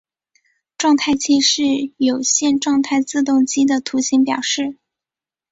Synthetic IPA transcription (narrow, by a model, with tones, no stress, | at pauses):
ʈ͡ʂwɑ˥˧ŋt̪ʰa˥˧˩ɪt͡ɕʰi˥ʂɻ̩˥˩jo˨˩ʊɕjɛ˥˧nʈ͡ʂwɑ˥˧ŋt̪ʰa˥˧ɪt͡sɹ̩˥˧t̪ʊ˥˩ŋt͡ɕi˥d̪ə˨t̪ʰu˧˥ɕi˧˥ŋpjɑ˨˩ʊʂɻ̩˥˩